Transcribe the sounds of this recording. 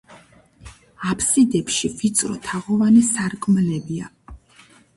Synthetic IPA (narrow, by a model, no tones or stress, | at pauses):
apʰsid̪ɛpʃivit̪sʼɾɔ̰t̪ʰaʁɔvanɛsaɾkʰʼmlɛbia